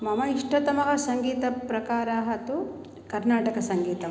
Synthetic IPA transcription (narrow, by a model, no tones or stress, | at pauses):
mɐmɐiʂʈɐt̪ɐmɐɡɐsɐŋɡiːt̪ɐpɾɐkaːɾɐɦɐt̪u | kɐɾnaːʈɐkɐsɐŋɡiːt̪ɐ